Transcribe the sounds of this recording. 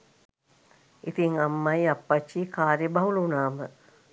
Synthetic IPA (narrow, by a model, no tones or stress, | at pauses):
it̪iŋamːɐjapːat͡ʃːikaːɾjəbɐɦulunaːmə